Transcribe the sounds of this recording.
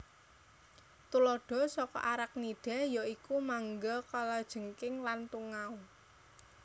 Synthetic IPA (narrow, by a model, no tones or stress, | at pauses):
t̪ulɔɖ̥ɔ̤sɔkɔ̰ʔaɾak̚niɖ̥a̤jaikumaŋɡakalad̥ʒ̥ə̤ŋkɪŋlant̪uŋau